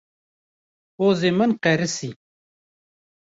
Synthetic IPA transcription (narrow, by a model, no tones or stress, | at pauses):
oːzemɐnqeɾisi